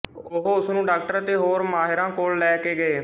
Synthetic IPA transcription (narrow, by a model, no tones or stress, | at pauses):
ʊɦoʊsnũːɖaːk̚ʈəɾət̪eːɦoːɾmaːɦɪɾãːkoːlːɛːkeːɡəeː